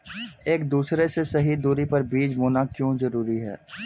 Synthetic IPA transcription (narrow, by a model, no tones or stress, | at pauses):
eːkd̪uːsɾesesɐɦid̪uːɾipɐɾbiːd͡ʒmoːnakjõːzɐɾuːɾiɦɛ̰ː